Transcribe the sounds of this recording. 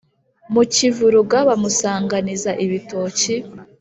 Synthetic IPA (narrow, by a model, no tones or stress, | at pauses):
mucivuɾuɡaβamusaːŋɡanizaʔiβito̞ːci